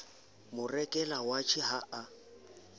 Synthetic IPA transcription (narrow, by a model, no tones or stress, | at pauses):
mʊrɛkʼɛlawat͡ʃʰɪɦaʔa